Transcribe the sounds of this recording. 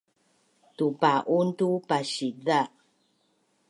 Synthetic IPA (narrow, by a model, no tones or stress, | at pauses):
tupaʔuntupaɕiða